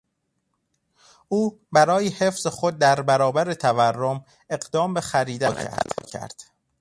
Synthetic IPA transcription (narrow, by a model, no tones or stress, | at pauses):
ʔuːbæɾɒːjehe̞fz̥exo̞d̪̚ːæɾbæɾɒːbæɾet̪ʰæværːom | e̞ɢd̪ɒːmbe̞xæɾiːd̪æːcʰæ̰d̪cʰæ̰ɾd̪̥